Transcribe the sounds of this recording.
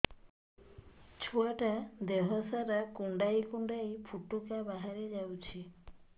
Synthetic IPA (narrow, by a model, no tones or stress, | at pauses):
t͡ʃʰuaʈad̪eɦɔsaɾakuɳɖajkuɳɖajpʰuʈːukabaɦaɾed͡ʒawt͡ʃʰi